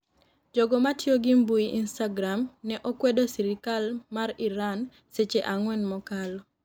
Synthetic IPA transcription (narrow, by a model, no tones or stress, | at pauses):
d͡ʒoɡɔmatjoɡimbuiʔinstaɡɾamnɛʔokwɛdosiɾikalmariɾan | set͡ʃeʔaŋwɛnmɔkalɔ